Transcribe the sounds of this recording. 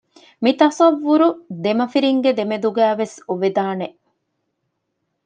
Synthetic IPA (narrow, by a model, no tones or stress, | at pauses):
mit̪ɐsɐʋːuɾud̪emɐfiɾiŋɡed̪emed̪uɡæːʋesuʋed̪aːne